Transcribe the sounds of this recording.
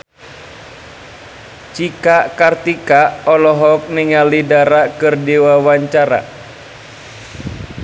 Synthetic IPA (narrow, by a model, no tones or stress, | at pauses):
t͡ʃikaʔkart̪ikaʔɔlɔɦɔk̚niŋalidaɾakɨrdiwawaɲt͡ʃaɾa̰